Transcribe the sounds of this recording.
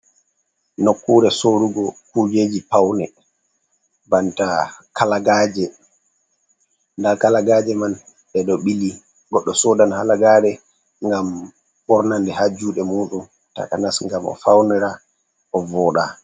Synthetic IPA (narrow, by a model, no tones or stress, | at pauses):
nokːuɾɛsoɾuɡɔkud͡ʒeːd͡ʒipawnɛ | bantakalaɡaːd͡ʒɛ | ndakalaɡaːd͡ʒɛman | ɓɛɗɔɓili | ɡɔɗːɔsɔdanhalaɡaːɗɛ | ŋɡam | ɓɔɾnandɛhad͡ʒuɗɛmoːɗun | ta̰kanasŋɡamɔ̰fawnɛɾa | ʔɔvɔːɗa̰